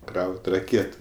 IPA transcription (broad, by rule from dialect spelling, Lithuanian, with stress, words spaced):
ˈkrɐʊtʲ rɐˈkʲeːtʊ